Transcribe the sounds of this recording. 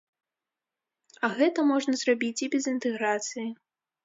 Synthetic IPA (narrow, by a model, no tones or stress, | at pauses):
ɐɣɛt̪ɐmɔʐnɐzrabʲit͡sʲibʲɛzint̪ɛɣɾat̪sɨji